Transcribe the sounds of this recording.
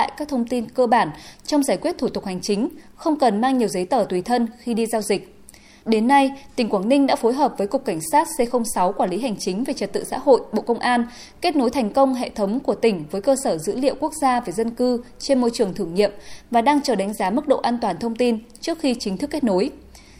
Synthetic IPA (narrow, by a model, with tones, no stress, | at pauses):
a̰ː˧˨jkaː˦˥k̚t̪ʰə˧wŋ͡mt̪i˧nkəː˧ɓaː˧˩nt͡ɕɔ˧wŋ͡mzaː˧˩jkwi˦˥ət̚t̪ʰu˧˩t̪ʊ˨˩k̚ha˨˩jŋ̟t͡ɕï˨˦ŋ̟ | xə˧wŋ͡mkə˨˩nmaː˧ŋɲi˨˩əwzə˨˦jt̪əː˧˩t̪wi˨˩t̪ʰə˧nxi˧ɗi˧zaː˧wzï˨˩k̚ | ɗe˨˦nːa˧jt̪ï˨˩ŋ̟kwaː˧˩ŋnï˧ŋ̟ɗa̰ː˧˥fo˨˦jɦəː˨˩p̚vəː˨˦jkʊ˨˩k͡p̚ka˧˩jŋ̟saː˦˥t̚se˧xə˧wŋ͡msa˨˦wkwaː˧˩li˨˦ɦa˨˩jŋ̟t͡ɕï˨˦ŋ̟ve˨˩t͡ɕə˨˩t̚t̪ɨ̰˧˨sa̰ː˧˥ɦo̰˧˨jɓo̰˧˨kə˧wŋ͡mʔaː˧n | ke˦˥t̚no˨˦jt̪ʰɛ˨˩jŋ̟kə˧wŋ͡mɦḛ˧˨t̪ʰə˨˦wŋ͡mku˧˩ət̪ï˧˩ŋ̟vəː˨˦jkəː˧səː˧˩zɨ̰˧˥lḭ˧əwku˦˥ək̚zaː˧ve˨˩zə˧nkɨ˧t͡ɕe˧nmo̰˧jt͡ɕɨ˨˩əŋt̪ʰɨ˧˩ŋḭ˧˨əmvaː˨˩ɗaː˧ŋt͡ɕəː˧˩ɗa˨˦ŋ̟zaː˨˦mɨ˦˥k̚ɗo̰˧˨ʔaː˧nt̪waː˨˩nt̪ʰə˧wŋ͡mt̪i˧n | t͡ɕɨ˦˥ək̚xi˧t͡ɕï˨˦ŋ̟t̪ʰɨ˦˥kːe˦˥t̚no˨˦j